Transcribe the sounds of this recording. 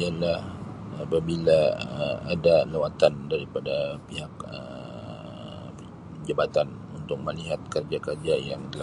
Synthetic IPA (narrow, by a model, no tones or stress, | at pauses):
ialah | apabilaəadalawat̪andaɾipadapiɦakə̰ | d͡ʒabat̪an | unt̪ʊk̚məliɦat̪̚kərd͡ʒakərd͡ʒajaŋdəla